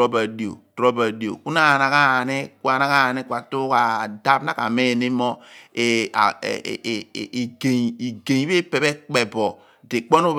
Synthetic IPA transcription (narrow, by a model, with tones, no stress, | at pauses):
o˦ba˨di˨o̰˨tɾo˦ba˨di˨o̰˨ku˦na˦˨na˨ka˦˨ni˦kwa˨na˦ka˦˨ni˦kwa˨tu˦ka˨da˦bna˦ka̰˨me˦˨ni˦mɔ˦e˨a̰˨ɡe˨i˨ɡe˨i˦be˦pe˨be˦k͡pe˨bɔ˨ | de˨k͡po˦nu˦